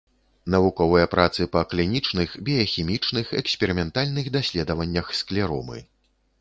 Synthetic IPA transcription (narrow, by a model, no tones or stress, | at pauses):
nɐvukɔvɨjɐpɾʔat̪sɨpɐklʲinʲit͡ʂnɨxbʲɛjɐxʲimʲit͡ʂnɨxɛksʲpʲɛɾɨmʲɛnt̪alʲnɨxd̪asʲlʲɛd̪ɐvɐnʲːɐxsklʲɛɾɔ̰mɨ̰